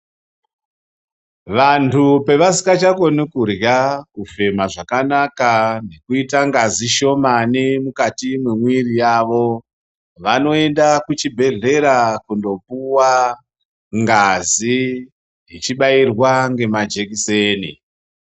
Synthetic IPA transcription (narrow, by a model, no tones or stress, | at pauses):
ʋantʰupe̞ʋasi̥kat͡ʃako̞nikurjakufe̞maʐakanakane̞kuitaŋɡaziʃo̞manimukatimwemwirijaʋo̞ | ʋano̞e̞ndakut͡ʃibʱe̞ɮe̞ɾakundo̞puwa | ŋɡazi | jit͡ʃiɓairwaŋɡe̞mad͡ʒe̞kiseːnḭ